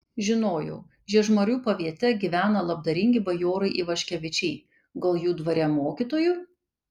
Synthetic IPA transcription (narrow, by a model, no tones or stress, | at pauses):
ʒʲɪnoːjɛʊ | ʒʲiɛʒmɐɾʲuːpɐʋʲiɛt̪ʲɛɡʲiʋʲæːnɐlˠɐb̚d̪ɐɾʲɪŋʲɡʲɪbɐjoːɾɐɪʔiʋɐʃʲkʲɛʋʲɪt͡ʃʲɛɪ | ɡɐlˠjuːd̪ʋɐɾʲɛmoːkʲit̪oːjuː